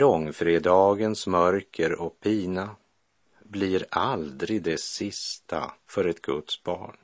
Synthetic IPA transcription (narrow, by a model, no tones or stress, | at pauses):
lɔŋːfɾeːd̪ɑːɡənsmœɾkʰəɾɔk̚pʰiːna | bliɾald̪ɾɪɡ̚d̪ɛsɪst̪ʰa̰fœɾɛt̪ɡɵ̰t̪sbɑ̰ːɳ